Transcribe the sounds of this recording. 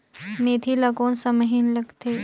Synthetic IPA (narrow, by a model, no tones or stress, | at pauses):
meːt̪ʰilɐɡõːnsɐməɦinlɐɡt̪ʰeː